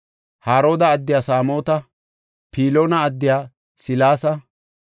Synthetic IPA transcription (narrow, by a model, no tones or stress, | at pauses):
haːɾo̞ːd̪ɐːd̪ːɪjaːsaːmo̞ːt̪ɐ | pʰiːlo̞ːnɐːd̪ːɪjaː | sɪlaːsɐ